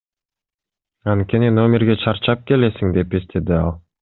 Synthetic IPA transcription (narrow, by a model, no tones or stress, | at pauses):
ɑnt̪̚kʲe̞nino̞mʲeɾɡe̞t͡ʃʰɑɾt͡ʃɑp̚ke̞le̞siŋd̪e̞pest̪ʰe̞d̪iɑlˠ